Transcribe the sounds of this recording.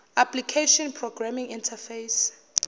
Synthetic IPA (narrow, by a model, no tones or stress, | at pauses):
aplikʰeʃɔnpʰrɔɡramĩŋĩntʰafejs